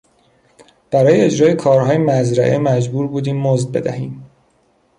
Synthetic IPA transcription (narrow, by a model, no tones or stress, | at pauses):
b̥æɾɒːjee̞d͡ʒɾɒːjekʰɒːɾɦɒːjemæzɾæʔemæd͡ʒbuːɾbuːd̪iːmːozd̪̚be̞̰d̪æhiːm